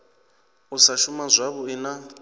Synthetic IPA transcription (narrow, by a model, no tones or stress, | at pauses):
usaʃumazʷaβuina